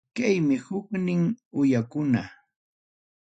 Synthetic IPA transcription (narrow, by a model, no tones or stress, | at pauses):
kajmɪhʊknɪŋʊjakʊna